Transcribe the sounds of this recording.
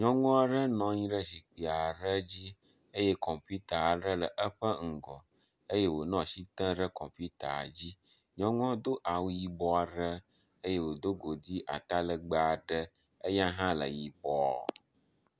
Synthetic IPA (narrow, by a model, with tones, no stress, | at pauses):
ɲɔ̃˦ŋɔ̃˦a˦ɖə˦nɔ̃˨ɲĩ˦ɖə˦si˨k͡pi˨a˨ɖə˦d͡ʑi˦ | ə˦je˦kɔ˨mpi˦t̪a˨ɖə˦lə˨ʔə˦ɸə˦ŋ̩˨ɡɔ̰˨ | ə˦je˦wo˨nɔ̃˨si˦t̪ə̃˦ɖə˦kɔ̃˨mpu˦t̪a̰˨d͡ʑi˦ | ɲɔ̃˦ŋɔ̃˦d̪o˦ʔa˨wu˦ji˨bɔ˨a˨ɖə˦ | ə˦je˦wo˨d̪o˦ɡo˨d͡ʑi˦ʔa̰˨t̪a˦lə˨ɡ͡ba˨a˨ɖə˦ | ə˦ɲã˦ɦã˦lə̰˨ji˨bɔ̰˦˨